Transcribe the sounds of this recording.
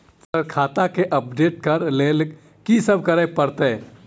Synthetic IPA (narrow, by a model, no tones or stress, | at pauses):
səɾkʰaːt̪akeʔəp̚ɖeːʈkɐɾleːl | kisəb̚kəɾəpəɾt̪e